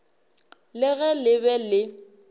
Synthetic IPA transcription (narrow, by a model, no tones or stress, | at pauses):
lɪɣɛlɪβɛlɪ